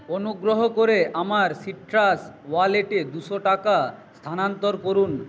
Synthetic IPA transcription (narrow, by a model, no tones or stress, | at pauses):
onuɡɾoɦokoɾeʔamaɾsiʈɾaswaleʈed̪uʃoʈakast̪ʰanant̪oɾkoɾun